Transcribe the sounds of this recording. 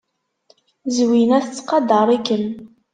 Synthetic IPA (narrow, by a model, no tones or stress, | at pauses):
zwinæθət͡sːqɑd̪əɾˤikːən